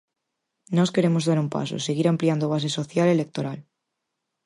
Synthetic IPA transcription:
noskeɾemozðaɾumpa̰so̰seɣiɾampliand̪oβas̬esoθjalelek̚t̪oɾal

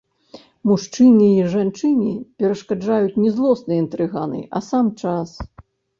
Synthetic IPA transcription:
muʂt͡ʂɨnʲiːʐant͡ʂɨnʲipʲɛɾɐʂkad͡ʐajut͡sʲnʲɛzlˠɔsnɨjint̪ɾɨɣa̰nɨ̰ʔɐ̰samt͡ʂas

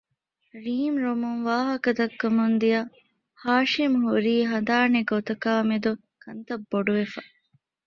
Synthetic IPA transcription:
ɾiːmɾomuŋʋaːɦɐkɐd̪ɐkːɐmund̪ijɐ | haːʃimɦuɾiːɦɐnd̪aːneɡot̪ɐkaːmed̪u | kɐnt̪ɐbːoɖuʋefɐ

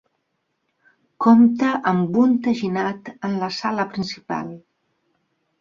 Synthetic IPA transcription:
komt̪əʔəmbunt̪əʒinat̪ənləsaləpɾinsipa̰lˠ

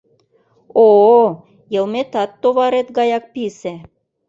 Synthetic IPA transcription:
o | jɤ̆lmet̪ɑt̪ːoβɑɾet̪ɡɑjɑk̚pise

